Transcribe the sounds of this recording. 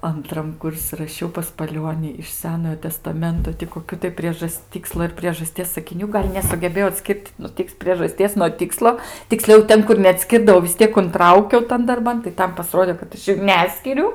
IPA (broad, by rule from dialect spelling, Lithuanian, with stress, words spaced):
ɐnˈtrɐm ˈkʊrʲsʲɪ rɐˈʃʲɛʊ pɐs pɐˈlʲuɔnʲɪ ɪʃ ˈsʲæːnoːjoː tʲɛstɐˈmʲɛntoː tʲɪ koːˈkʲuː tɐɪ ˈpʲrʲiɛʒɐs ˈtʲiːkslˠoː ɪr pʲrʲiɛʒɐˈsʲtʲiɛs sɐkʲɪˈnʲuː ˈɡɐlʲ nʲɛsʊɡʲɛˈbʲeːjɛʊ ɐtʲˈsʲkʲɪrt nʊ ˈtʲɪks pʲrʲiɛʒɐˈsʲtʲiɛs nuɔ ˈtʲɪkslˠoː tʲɪkˈsʲlʲɛʊ ˈtʲɛn kʊr nʲɛɐtʲˈsʲkʲɪrdɐʋɐʊ ʋʲɪs ˈtʲiɛk ʊnˈtrɐʊkʲɛʊ ˈtɐn dɐrˈbɐn tɐɪ ˈtɐm pɐˈsroːdʲeː kɐt ˈɐʃ juː ˈnʲæːsʲkʲɪrʲʊ